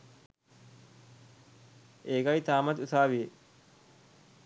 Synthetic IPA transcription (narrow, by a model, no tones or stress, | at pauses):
ʔeːɡɐjt̪aːmɐt̪usaːʋije